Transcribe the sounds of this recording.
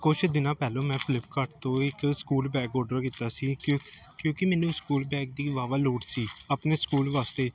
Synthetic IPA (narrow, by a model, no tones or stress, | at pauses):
kʊt͡ʃʰd̪ɪnãːpɛːlõːmɛ̃ːpʰlɪp̚kəʈt̪õːɪkskuːlbɛːkɔːɖəɾkɪt̪aːsiːkjõːkɪmɛ̃ːnũːskuːlbɛːk̚d̪iːʋaːʋaːloːʈsiːaːpneːskuːlʋaːst̪eː